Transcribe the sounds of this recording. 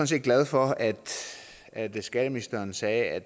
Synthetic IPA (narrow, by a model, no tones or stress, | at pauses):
n̩se̝̰ːd̚ɡlæð̞ˠfɒ̽æd̥ | æd̥sɡ̥ɛd̥əminisd̥ɐːnsɛːæ̥